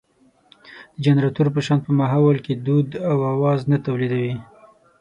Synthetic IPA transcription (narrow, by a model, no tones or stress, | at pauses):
d̪̥əd͡ʒanɾat̪uɾpəʃɑnd̪̚pəmaɦawalked̪ud̪awawɑznat̪awlid̪awi